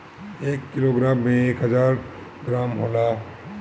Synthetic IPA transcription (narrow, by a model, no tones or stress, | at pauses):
eːkːɪloɡɾaːmːẽeːkɦəzaːɾ | ɡɾaːmɦoːla